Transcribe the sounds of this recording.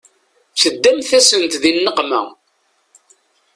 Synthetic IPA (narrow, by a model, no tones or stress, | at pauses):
θəd̪ːæmθæsənt̪ðinːəqmæ̰